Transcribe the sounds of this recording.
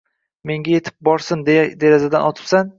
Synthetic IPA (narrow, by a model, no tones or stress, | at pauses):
me̞ŋɡʲaje̞t̪ʰɪ̥p̚bɒɾsɪnd̪d̪eɾazad̪anʔɒt̪ʰɪ̥psan